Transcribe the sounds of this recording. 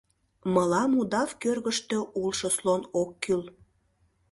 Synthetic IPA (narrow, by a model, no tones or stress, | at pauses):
məlɑmud̪ɑvkørɣəʃt̪øʔulʃoslonokːyl